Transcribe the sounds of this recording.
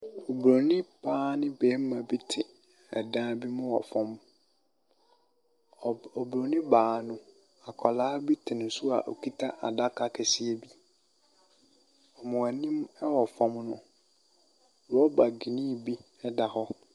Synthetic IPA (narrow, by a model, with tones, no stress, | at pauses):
o˨bɾo˨nɪ̃˦bʰaː˦nɪ̃˦beː˨˦m˦mã˨bi˦tʰɪ˨ | ɛ̰˨dãː˦bi˦mʊ̃˦wɔ̰˨fɔ̃˨m˨ | ɔ˨bɾo˨nɪ̃˦baː˨˦˨nʊ̃˦ | a˨kʰɔ˨laː˦bi˦tʰɪ˨nʊ̃˨˦sʊ˦a̰˨ʔo̰˨kʰi˦tʰa˦ʔa˨da˦kʰa˦kʰɛ˨sɪ˦ɛ˦bi˦ | ɔ˨mʊ̃˨a˨nĩ˦mɛ˦wɔ˨fɔ̃˨mnʊ̃˦˨ | ɾɔ˦ba˨ɡi˨nĩ˦˨bi˦ | ɛ˦da˨hɔ˦